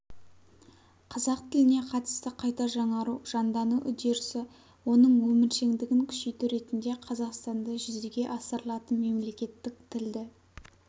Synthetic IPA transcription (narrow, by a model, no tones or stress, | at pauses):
qʰɑzɑq̚t̪ʰɪlɪne̞qʰɑt̪ə̥st̪əqʰɑjt̪ɑʒɑɴɑɾuʒ̥ɑnd̪ɑnuʔʏd̪eɾsɪ | wo̞nəɴwɵmɪɾʃe̞ŋd̪ɪɡʲɪŋkʲʰʏ̥ʃejt̪ɪɾe̞t̪ɪnd̪e̞qʰɑzɑqst̪ɑnd̪ɑʒʏzd̪eɡʲe̞ʔɑsəɾəlˠɑt̪ənme̞mle̞kʲe̞t̪ːɪk̚t̪ʰɪld̪ɪ